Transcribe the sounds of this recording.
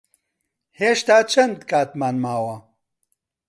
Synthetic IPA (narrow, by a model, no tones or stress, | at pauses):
heːʃt̪aːt͡ʃʰɐnd̪kʰaːt̪maːnmaːwɐ